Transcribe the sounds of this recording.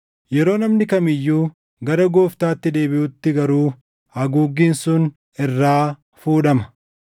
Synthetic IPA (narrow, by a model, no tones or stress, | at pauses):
jɛɾo̞ːnɐmnɪkɐmɪjːuː | ɡɐɾɐɡoːft̪aːt̪ːɪd̪e̞ːbɪʔʊt̪ːɪɡɐɾuː | hɐɡuːɡːiːnsʊn | ɪrːaː | fuːᶑɐmɐ̥